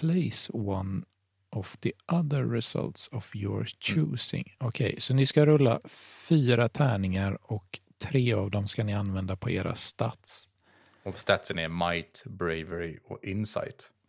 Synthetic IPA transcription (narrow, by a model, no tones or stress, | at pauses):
pʰlɛɪswan | ʔɔvðiʔaðəɾːɛsa̰lt̪sɔvjɔɹt͡ʃʰʉːsɪ̰ŋɔkʰɛ̰jsɔnɪskaɾɵlːa̰fyːɾat̪ʰæːɳɪŋaɾɔkt̪ʰɾeːavd̪ɔmskanɪanvɛnd̪apʰɔeːɾʔa̰st̪at̪s | ɔst̪at̪sənɛɾmajt̪bɾeɪvɛɾɪɔ̰ɪnsa̰jt̪